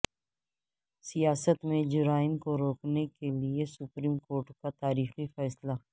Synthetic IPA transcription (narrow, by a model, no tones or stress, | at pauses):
sɪjaːsət̪mẽd͡ʒʊɾaːɪmkoɾoːknekeliesʊpɾiːmkoːɾʈkat̪aːɾiːxifɛːsla